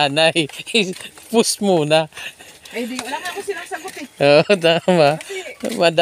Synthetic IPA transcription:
anaj | pʊsmuna | oʔd̪amamad̪a

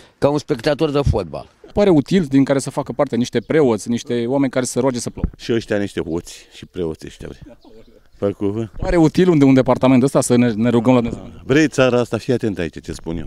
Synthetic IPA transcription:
kaunspe̞kt̪at̪o̞rd̪əfot̪̚ba̰lpaɾe̞ut̪ild̪iŋkaɾe̞səfakəpart̪eniʃt̪e̞pɾe̞o̞t̪sʲniʃt̪e̞wame̞nʲkaɾe̞səɾwad͡ʒe̞səplowʃiəʃt̪ʲaniʃt̪e̞ɦot̪sʲʃipɾeot̪sʲə̰ʃt̪ʲa̰vɾej | fəkuvəpaɾe̞ut̪ilund̪eund̪e̞part̪ament̪əst̪asənene̞ɾuɡəmlad̪umezebɾejt̪saɾaast̪afiat̪e̞nt̪ait͡ʃat͡ʃespunjḛw

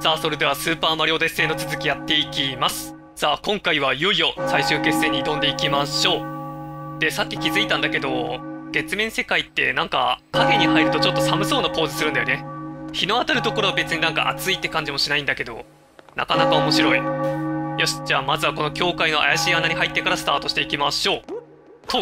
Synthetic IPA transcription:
saːso̞ɾe̞d̪e̞βasɨːpaːmaɾʲo̞ːd̪ese̞ːno̞t͡sɨzɨkʲijat̪ːe̞ikʲimasɨ̥ | saːkõ̞ŋkaiβ̞ajoijo̞saiɕɨːke̞sːe̞ɲ̟ːiːt̪õ̞nd̪e̞ikʲimaɕo̞ː | d̪̥e̞sakʲːi̥kʲizɨit̪ãnd̪ake̞d̪o̞̰ɡ̥e̞t͡sɨmẽ̞se̞kait̪ːe̞̰nãŋka̰kaɡʲeɲ̟ihaiɾɯ̟t̪o̞t͡ɕo̞t̪ːo̞samɯ̟soːnako̞ːzɨsɨɾɯ̟nd̪ajo̞neçino̞at̪aɾɯ̟t̪o̞ko̞ɾo̞βabe̞t͡sɨɲ̟inãŋka̰ʔa̰t͡sɨit̪ːe̞kãɲ̟d͡ʑimo̞ɕinaĩnd̪ake̞d̪o̞̰ | na̰kanakao̞mo̞ɕiɾo̞i | joɕi̥d͡ʑaːmazɨβako̞no̞kʲo̞ːkaino̞a̰jaɕiːanaɲ̟ihait̪ːe̞kaɾasɨ̥t̪aːt̪o̞ɕi̥t̪e̞ikʲimaɕo̞ː | t̪o

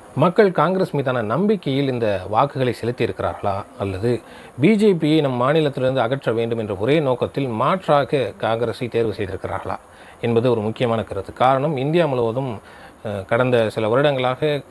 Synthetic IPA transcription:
mɐkːɐɭkaːŋɡɾeːsmiːðaːnɐnɐmbɪkːɐjɪlɪnd̪ɐʋaːkɯɣɐɭɐɪsɛlɯt̪ːɪjɪɾɯkːɪɾʔa̰ːɾɣɐɭaːɐlːɐðɯ | biːd͡ʒeːpɪjɐɪnɐmːɐmaːnɪlɐt̪ːɪlɪɾɯnd̪ɯɐɣɐʈrɐʋeːɳɖɯmɛndrɐɔɾeːnoːkɐt̪ːɪlmaːʈraːɣɐkaːŋɡɐɾesɐɪt̪eːɾʋɯsɛjðɪɾɯkːɪɾa̰ːɾɣɐɭa̰ː | ɛnbɐðɯɔɾɯmʊkːɪjɐmaːnɐkɪɾɐðɯkaːɾɐɳɐmɪnd̪ɪjaːmʊlɐʋɐðɯm | kɐɽɐnd̪ɐsɪlɐʋɐɾɪɽɐŋɡɐɭaːɣɐ

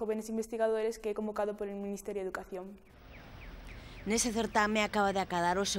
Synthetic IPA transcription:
oβenesimbest̪iɣaðoɾeskɛkõmbokaðopoɾelmĩnist̪ɛɾjoeðukaθjoŋ | neseθeɾt̪amẽakaβaðɪakaðaɾose

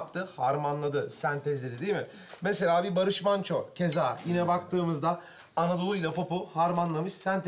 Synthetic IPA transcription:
p̚t̪ʰɯhaɾmanlˠad̪ɯsænt̪ʰɛzlʲed̪id̪iːmɪ | mese̞lʲaːbibaɾɯʃmant͡ʃʰocʰe̞zaːjinɛbak̚t̪ʰɯːmɯzd̪aː | nad̪o̞lˠujlʲˠapʰopuhaɾmanlˠamɯʃsænt̪ʰ

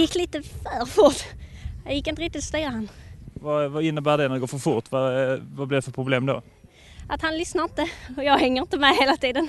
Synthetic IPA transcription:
jɪkːliːt̪əfœɾfʊɾt̪jɑjɪkːɪnt̪əɾɪk̚t̪ɪt̪st̪yːɾahanːvavaɪnːəbæːɖɛnæɾd̪ɛɡoːfœɾfʊɾt̪vavablɪɾɖɛfœɾpʰɾʊbleːmd̪o̰ | ʔat̪hanlʏsnaɾɪnt̪əɔjɑːɡhɛŋːəɾɪnt̪əmɛheːlat̪ʰiːd̪ən

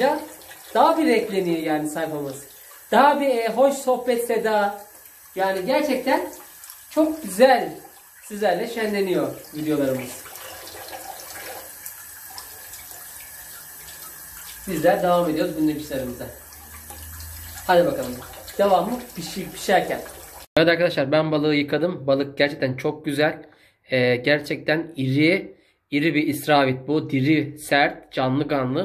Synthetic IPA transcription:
ad̪̥aɦabiɾɛclʲe̞nijɛjaːnisajpalˠmasɯ̥ | d̪̥aɦabiɛɦo̞ʃso̞hpɛt̪sed̪a | jaːniɟæɾt͡ʃʰɛc̚t̪ʰænt͡ʃʰo̞k̚ɟyzælʲ | sizlʲæɾlʲɛʃænlʲe̞nijoɾvid̪ejo̞lˠaɾɯmɯz̥ | bizlʲæɾd̪evamed̪ioɾuzbinʲimiʃlʲeɾɯmɯza | had̪ʲibakalˠɯmd̪̥evamːɯbiʃipʰi̥ʃæɾcʰænaɾad̪aɾkad̪aʃlˠaɾbænbalˠɯːjɯkʰad̪ɯmbalˠɯk̚ɟ̥æɾt͡ʃʰɛc̚t̪ʰænt͡ʃʰo̞k̚ɟyzælʲ | ɛɟæɾt͡ʃʰɛc̚t̪ʰæniɾi | iɾibiːsɾaːvit̪̚bud̪iɾisæɾt̪̚d͡ʒanlˠɯkanlˠɯ

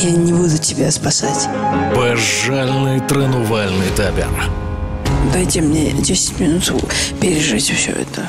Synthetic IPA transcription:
janʲɪbud̪ʊtʲɪbʲaspɐsatʲ | bɐʐːalʲnɨjt̪ɾənʊvalʲnɨjt̪apʲɪ̰r | d̪ajtʲɪmnʲḛdʲesʲɪ̥tʲmʲɪnut̪pʲɪɾʲɪʐɨtʲfsʲo̰ɛ̰t̪ʰə

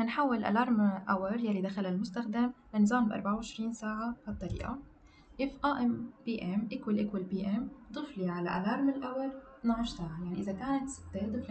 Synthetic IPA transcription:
nħawːɪlʔa̰lɑːɾˤmʔawɪɾˤjalːid̪axalalmʊst̪axd̪amlanːɨzˤɑːmbʔɑ̰ɾˤbaʕawʕɪʃɾiːnsaːʕaʕɑt̪ˤːɑɾḭːʔa̰ | ʔɪfʔaːʔɪmbiːʔɛmʔakwalʔakwalbiːʔɛmd̪ˤɨfliʕala̰ʔa̰lɑːɾˤmɪlʔawɪɾˤt̪naʕʊʃsaːʕajaʕniʔɪzakaːnat̪sɪ̥t̪ːed̪ˤɨfl

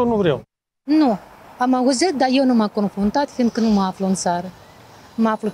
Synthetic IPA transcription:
nuvɾḛw | nuamauzɨt̪̚d̪aje̞wnumako̞nfɾunt̪at̪find̪̚kənuməafluɨnt̪saɾəməaflu

